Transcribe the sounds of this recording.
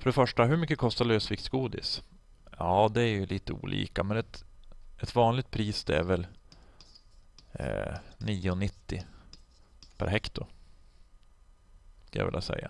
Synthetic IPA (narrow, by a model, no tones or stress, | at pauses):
fœɖɛfœʂʈaɦɵmʏkːəkʰɔst̪aløːsvɪksɡuːd̪ɪ̰s | jɑːd̪ɛæɾjɵlʔiːt̪əṵːlʔḭːkamɛnɛt̪ʔɛt̪vɑːnlɪɡ̚t̪̚pʰɾiːsd̪ɛæɾvɛl | niːʊnɪt̪ːɪ | pʰæ̰ɾɦɛkt̪ʊ | skalja̰vɪ̰lːʔa̰sɛ̰jːa̰